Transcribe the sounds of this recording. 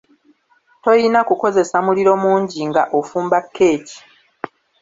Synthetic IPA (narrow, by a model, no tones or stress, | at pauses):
to̞jinakuko̞ze̞samuliɾo̞muːɲɟiŋɡaʔofuːmbakʰːe̞ːci̥